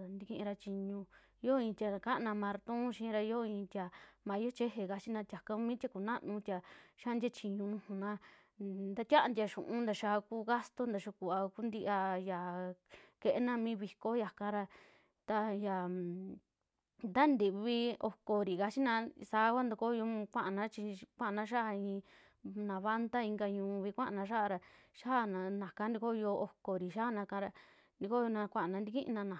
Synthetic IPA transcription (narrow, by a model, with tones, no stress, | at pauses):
nd̪i˧kĩ˧ʔĩ˧ɾa˧t͡ʃi˧ɲũ˧ | jo˦ĩ˧t̪ʲa˧ka˦ʔnã˧mã˧ɾt̪ũ˦ʃĩ˧ɾa˧jo˦˧ĩ˧t̪ʲa˨mã˨˧˦o˦t͡ʃe˦ɦe˧˨ka˧t͡ʃi˦nã˧t̪ʲa˨kã˧mĩ˦t̪ʲa˧ku˨nã˦ʔnũ˧t̪ʲa˧ʃa˦˧nd̪ʲa˦t͡ʃi˧ɲũ˧nũ˧hũ˧nã˧ | nd̪a˧t̪ʲa˦˧nd̪ʲa˧ʃũ˨ʔũ˦nd̪a˧ʃa˧ku˦ɣa˦st̪o˦nd̪a˨ʃu˧ku˨a˧ku˦nd̪i˧ʔa˧ja˨ | ke˧ʔe˦nã˧mĩ˦βi˧ko˧˦ja˨kã˧ɾa˧ | t̪a˧ja˨ | d̪a˦nd̪i˨βi˧o˧ko˨ɾi˨ka˧t͡ʃi˦nã˧sa˧˦kʷa˦nd̪u˧ko˦jo˧kʷã˦ʔa˨nã˦t͡ʃi˧kʷã˦˧nã˧˦ʃa˦a˧ĩ˧ | nã˨βa˦nt̪a˦i˧ŋɡa˧ɲũː˧βi˧kʷã˦ʔa˨nã˧ʃ̬a˦˧ɾa˧ʃa˦˨nã˧nã˨kã˧˦nd̪i˧ko˦˧jo˧o˧ko˨ɾi˨ʃa˦˨nã˧kã˧˦˧ɾa˧ | nd̪i˧ko˦jo˧nã˧kʷã˦ʔa˨nã˧nd̪i˧kĩ˦ʔnã˧nã˨